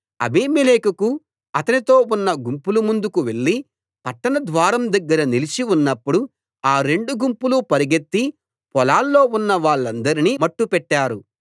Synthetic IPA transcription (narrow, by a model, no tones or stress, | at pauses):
ɐ̰biːmileːkɐku | ɐt̪ɐnit̪o̞ːunːɐɡumpulumund̪ukuʋe̞ɭːi | pɐʈːɐnɐd̪ʋaːɾɐmd̪ɐɡːɐɾɐnilit͡ʃiunːɐpːuɽu | aːɾe̞ɳɖuɡumpulupɐɾiɡet̪ːi | pɔlaːlːo̞ːunːɐʋaːɭːɐnd̪ɐɾiniːmɐʈːupɛʈːaːɾu